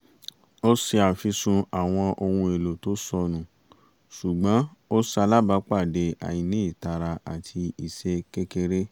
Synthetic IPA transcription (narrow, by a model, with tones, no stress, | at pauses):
o˦si˧a˨fi˧sũ˧a˨w̃ɔ̃˧ʔo˧hũ˧e˨lo˨to˨˦sɔ˧nũ˨ | ʃu˨ɡ͡bã˨˦o˦sa˧la˦ba˨˦k͡pa˦˨de˨a̰˨jĩ˨nĩ˨˦i˦˨ta˧ɾa˧a̰˨tʰi˧i˨ʃe˧ke˦ke˧ɾe˦